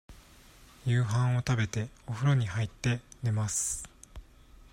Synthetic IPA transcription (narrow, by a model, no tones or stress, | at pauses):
jɯːɦãɰ̃o̞t̪abe̞t̪e̞oɸɯ̟ɾo̞ɲ̟ihait̪ːe̞d̪e̞masɨ̥